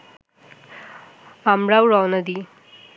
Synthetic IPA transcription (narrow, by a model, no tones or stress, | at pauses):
amɾawɾawnɐd̪i